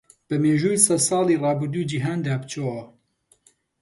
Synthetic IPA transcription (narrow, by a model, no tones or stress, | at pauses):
b̥ɨmeːʒuːjsɛsɑːliːrˤɑːbɨɾd̪uːjd͡ʒiɦaːnd̪aːbt͡ʃʰowɐ